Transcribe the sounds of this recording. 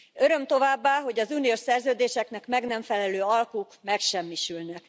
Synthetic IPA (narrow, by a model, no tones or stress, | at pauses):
ø̞ɾø̞mt̪o̞vaːbːaːɦo̞ɟɒzunijoʃsɛrzøːd̪eːʃɛkn̪ɛkmɛɡnɛɱfɛlɛløːɒlkuːkmɛkʃɛmːiʃylnɛk